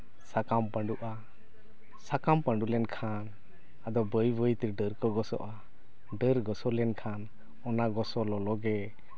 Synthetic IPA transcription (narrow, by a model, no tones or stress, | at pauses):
sakampəɳɖuʔa | sakampəɳɖulɛnkʰan | ad̪ɔbəjbəjt̪iɾɖəɾkɔɡɔsɔ̰ʔa | ɖəɾɡɔsɔlɛnkʰan | ɔnaɡɔsɔlɔlɔɡɛ